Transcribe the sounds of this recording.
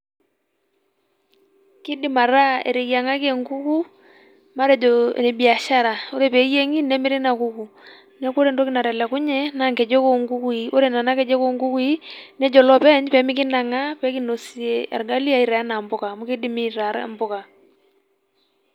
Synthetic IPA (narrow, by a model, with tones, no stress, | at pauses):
ki˦di˦ma˨ɾa˦ḛ˨ɾe˨ja˨ŋa˦ke˨ŋku˦ku˦ | ma˦ɾɛ˨d͡ʒɔ˨ne˨bi˨a˨ʃa˦ɾa˨o˦ɾe˦˨pɛ˨˦je˦ŋi˦nɛ˦mɪ˦ɾi˦na˨ku˦ku˨ | nɛ˦ku˦ɾe˨ndɔ˦ki˦na˨ɾɛ˨lɛ˨ku˦ɲɛ˦na˦ŋkɛ˨d͡ʒo˦ko˦ŋɡu˦ku˦i˨o˦ɾe˦˨na˨na˦kɛ˨d͡ʒɛ˦ko˦ŋɡu˦ku˦i˦nɛ˦d͡ʒɔ˨lɔ˦pɛ˦ɲpɛ˨˦mi˦ki˦na˨ŋa˦pɛ˦ki˦no˨si˨e˨a̰˨ɾɡa˦li˦a˦i˨ɾa˨a˦na˨mbʊ˦ka˨mu˦ki˦di˦mi˦ɾa˨˦ɾ̰mbʊ˦ka˨